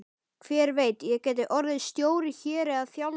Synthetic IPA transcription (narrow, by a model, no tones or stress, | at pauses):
kʰv̥ɛːɾveːjt̪jɛɣcɛːjt̪ɪʔɔɾðɪðst̪joːwɾɪçɛːɾɪaðθjawl